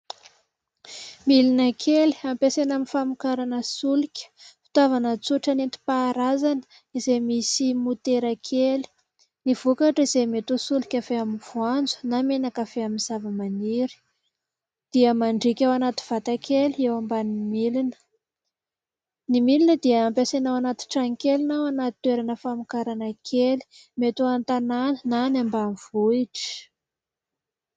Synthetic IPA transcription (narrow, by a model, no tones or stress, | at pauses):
milinəkʰeli̥ampesanaminfamukaɾanəsulikʲə̥fi̥t̪avanət͡suʈ͡ʂanent̪i̥paːɾazanə̥ | izejmisimut̪eɾəkʰeli̥ | niv̥ukaʈ͡ʂiz̥ejmet̪usulikʲafeamiv̥uand͡zu̥namenakafeaminz̥avəmaniɾi̥ | d̪̥iəmaɳɖ͡ʐikʲawanat̪i̥v̥at̪akʲʰelewambanimilinə̥ | nimilinəd̪iəːmpasenawanat̪i̥ʈ͡ʂaŋikʲelinawanat̪i̥t̪weɾanəfamukaɾanakʰeli̥met̪uant̪ananənanambamivuiʈ͡ʂi̥